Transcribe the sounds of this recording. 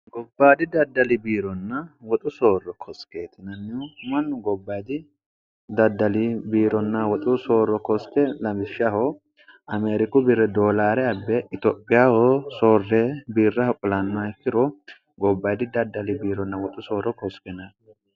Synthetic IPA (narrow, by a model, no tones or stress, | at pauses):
ɡɔbːaːd̪ɪd̪ɐd̪ːɐlɪbiːɾɔnːɐwɔt̪ʼʊsoːrːɔkʰɔskeːt̪ɪnɐnːɪmɐnːʊɡɔbːɐjd̪ɪ | d̪ɐd̪ːɐlɪbiːɾɔnːɐwɔt̪ʼʊso̞ːrːɔkɔskɛlɐmɪʃːahɔ | ɐmeːɾɪkʊbiɾɛd̪oːlaːɾɛɐbːɛɪt̪ɔpʼːɪjahosoːrːɛbiːrːɐhkʼʊlɐnːakːɪɾɔ | ɡɔbːɐjd̪ɪd̪ɐd̪ːɐlɪbiːɾɔnːɐwɔt̪ʼʊsoːɾɔkɔskɛnɐ